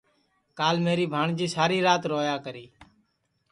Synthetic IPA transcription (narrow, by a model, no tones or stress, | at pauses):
kaːlmeːɾiːbʱaːɳd͡ʒiːsaːɾiːɾaːt̪ɾoːjaːkəɾiː